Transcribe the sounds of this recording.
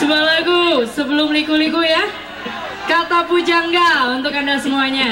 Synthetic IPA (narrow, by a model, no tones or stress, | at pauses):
səbualaɡusəbəlʊmlikulikuja | kat̪apud͡ʒaŋɡaunt̪ʊkandasəmuaɲa